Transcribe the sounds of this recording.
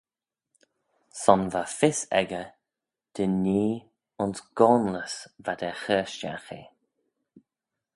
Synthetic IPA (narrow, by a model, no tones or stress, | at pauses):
sɔnvafɪsɛ̰ɡə | d̪̥əniː | ʊnsɡ̥ɔːnləsvad̪ɛxɛːʃt͡ʃa̰xḭ